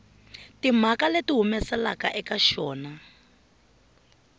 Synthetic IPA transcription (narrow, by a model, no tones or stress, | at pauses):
tim̤akaletiɦumɛsɛla̰kaʔɛkaʃɔːna